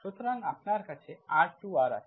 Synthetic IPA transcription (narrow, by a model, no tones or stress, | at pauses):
sʊt̪ɾaŋɡapnaɾkət͡ʃʰeaʈt͡ʃuaɾa̰